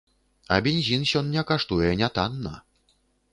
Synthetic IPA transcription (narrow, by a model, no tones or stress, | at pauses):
ɐbʲenʲzʲinsʲɔnnʲɛkaʂt̪ujɛnʲat̪anːɐ̰